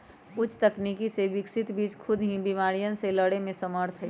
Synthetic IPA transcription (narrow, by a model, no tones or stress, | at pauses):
ʊt͡ʃʰt̪ɐknikiseʋɪksɪt̪biːt͡ʃkʰʊd̪ʱɦĩbimaːɾijənseləɽemẽsəməɾt̪ʰɦɛ